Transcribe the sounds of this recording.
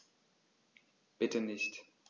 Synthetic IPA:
b̥ɪtʰənɪçt

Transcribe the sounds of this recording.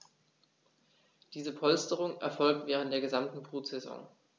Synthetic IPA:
d̥iːzəpʰɔlstəʁ̞ʊŋɛ̰ɐfɔlk̚tv̥ɛːʁəntd̥eːɐɡəzamtn̩bʁ̥uːtz̥ezɔ̰ŋ

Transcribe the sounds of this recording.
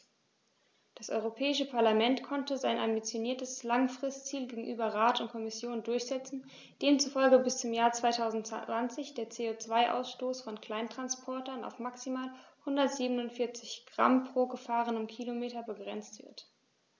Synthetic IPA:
d̥asʔɔ̰ʏʁopʰɛːɪʃəpʰaɐlamɛntkʰɔntəzaɪnʔa̰mbit͡sjoniːɐtəslaŋfʁ̥ɪstt͡siːlɡeːɡŋ̩ʔyːbɐʁaːtʊnt̚kʰɔmɪsjoːndʊɐçz̥ɛt͡sn̩ | d̥eːmt͡sufɔlɡəbɪst͡sʊmjaːɐt͡sv̥aɪtʰaʊzn̩tv̥ant͡sɪçd̥eːɐt͡seːoːt͡sv̥aɪʔa̰ʊsʃtoːsfɔnkl̥aɪntʁ̥anspʰɔɐtɐna̰ʊfmaksimaːlhʊndɐtz̥iːbənʊntfɪɐt͡sɪçɡ̥ʁa̰mpʁ̥oːɡəfaːʁ̞ənʊmkʰilomeːtɐbəɡʁɛnt͡stv̥ɪ̰ɐt

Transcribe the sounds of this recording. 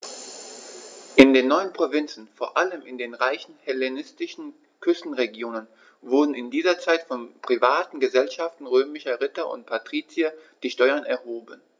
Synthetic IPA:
ʔɪndeːnːɔʏənpʁ̥ovɪnt͡sn̩foːɐʔaləmɪndeːnʁaɪçn̩hɛlenɪstɪʃn̩ | kʰʏstn̩ʁeɡjoːnən | vʊɐdn̩ɪndiːzɐt͡saɪtfɔnpʁ̥ivaːtn̩ɡəzɛlʃaftn̩ʁøːmɪʃɐʁɪtɐʔʊ̰nt̚pʰatʁ̥iːt͡sjad̥iːʃtɔʏɐnɛɐhoːbən

